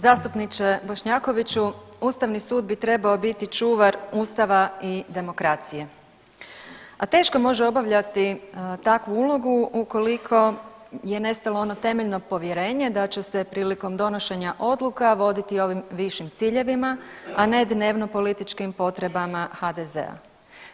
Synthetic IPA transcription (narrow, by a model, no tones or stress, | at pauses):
zaːst̪upnit͡ʃebo̞ʃɲako̞ʋit͡ɕuuːst̪aʋnisuːd̪bit̪ɾe̞bao̞bit̪it͡ʃuːʋaɾuːst̪aʋaid̪e̞mo̞kɾat̪sije̞ | at̪e̞ːʃko̞mo̞ʒeo̞baʋʎat̪it̪akʋuulˠoɡuuko̞likʰo̞je̞ne̞st̪alo̞o̞no̞t̪e̞meʎno̞po̞ʋje̞ɾe̞ːɲe̞d̪at͡ɕese̞pɾiːliko̞md̪o̞no̞ʃe̞ɲaʔo̞d̪lukaʋo̞d̪it̪io̞ʋimʋiʃimt̪siːʎe̞ʋimaane̞d̪ne̞ːʋno̞po̞lit̪it͡ʃkimpo̞t̪ɾe̞bamaxad̪eze̞̰a̰